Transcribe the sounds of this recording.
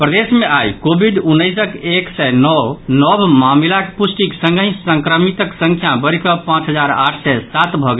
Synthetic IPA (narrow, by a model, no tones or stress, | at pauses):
pɾəd̪esmeʔajkobʱiɖunːəjsəkeksɛnɔwnɔbʱmamilakpusʈiksə̃ŋɡəĩsəŋkɾəmit̪əksə̃ŋkʰjabəɾkəpãt͡ʃɦəd͡ʒaɾa̰ʈʰsɛsat̪bʱɔɡe